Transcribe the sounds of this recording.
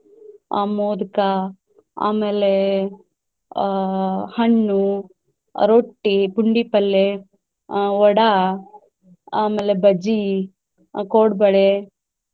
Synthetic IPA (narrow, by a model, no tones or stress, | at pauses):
moːd̪ka | a̰ːmeːle | hɐɳːu | ɾoʈːipuɳɖipɐlːe | ɔɽa | aːmeːlebɐd͡ʒi | koːɽbɐɽe